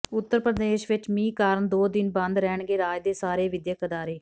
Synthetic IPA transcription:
ʊt̪ːəɾpɾəd̪eːʃʋɪt͡ʃmĩːkaːɾəɳd̪oːd̪ɪnbə̃nd̪ɾɛːɳɡeːɾaːd͡ʒd̪eːsaːɾeːʋɪd̪jəkəd̪aːɾeː

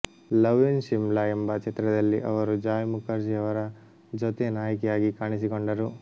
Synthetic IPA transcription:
lɐʋunʃimlɐembɐt͡ʃet̪ɾɐd̪ɐlːiʔɐʋɐɾud͡ʒaːjmukɐɾsijɐʋɐɾɐ | d͡ʒɔt̪enaːjɐkɛjaːɡikaːɳis̬ikoɳɖɐɾu

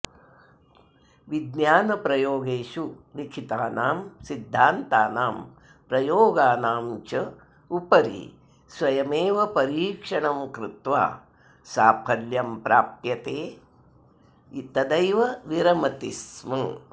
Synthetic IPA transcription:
ʋid̪njaːnɐpɾɐjoːɡeːʃuʋikʰit̪aːnaːmsid̪ʱːaːnt̪aːnaːm | pɾɐjoːɡaːnaːmt͡ʃɐ | upɐɾḭ | sʋɐjɐmeːʋɐpɐɾiːkʂɐɳɐmkɾɪt̪ʋa̰ː | saːpʰɐljɐmpɾaːpjɐt̪eː | it̪ɐd̪ɐjʋɐʋiɾɐmɐt̪ismɐ

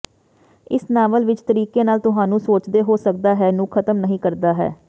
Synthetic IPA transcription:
ɪsnaːʋəlʋɪt͡ʃt̪əɾiːkeːnaːlt̪ʊɦãːnũːsoːt͡ʃd̪eːɦoːsək̚d̪aːɦɛːnũːkʰət̪əmnəɦĩːkəɾd̪aːɦɛ̰ː

